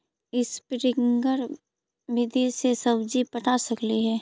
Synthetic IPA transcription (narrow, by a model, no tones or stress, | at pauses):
ɪspɾɪŋɡəɾ | ʋɪd̪esesəbd͡ʒipəʈʰasəkliɦɛː